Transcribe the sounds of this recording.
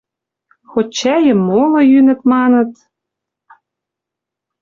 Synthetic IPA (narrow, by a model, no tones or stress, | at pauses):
xott͡ɕːæjə̆mːolɤ̆jynɘ̆t̪mɑnɤ̆t̪